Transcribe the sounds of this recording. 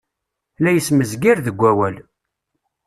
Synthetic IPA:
læjəsməzɡiɾðəɡʷːæwæl

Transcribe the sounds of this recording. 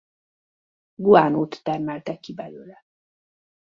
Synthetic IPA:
ɡuaːnoːt̪ːɛrmɛlt̪ɛkːibɛløːlɛ

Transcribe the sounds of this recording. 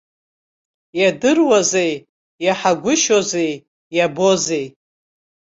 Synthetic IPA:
jadɨrwazej | jaħaɡʷʊʃozej | jabo̞ze̞j

